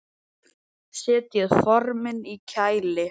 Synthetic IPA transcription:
sɛːt̪jɛɣfɔɾmɪnicʰaːjlɪ

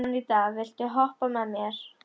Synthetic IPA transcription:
nɪnit̪aːvɪl̥t̪ʏɦɔhpamɛmjɛɾ̥

